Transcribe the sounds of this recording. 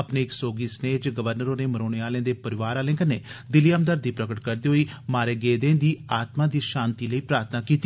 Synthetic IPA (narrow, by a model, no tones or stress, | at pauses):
əpneːɪksoːɡiːsneːd͡ʒɡəʋəɾnəɾoːneːməɾoːɽeːaːlẽːd̪eːpəɾɪʋaːɾaːlẽːkənḛːd̪ɪliːəmd̪əɾd̪iːpɾəkəʈkəɾd̪iːɦoiːmaːɾeːɡeːd̪ẽːd̪iːaːt̪maːd̪iːʃaːnt̪iːləiːpɾaːɾt̪ʰnaːkiːt̪i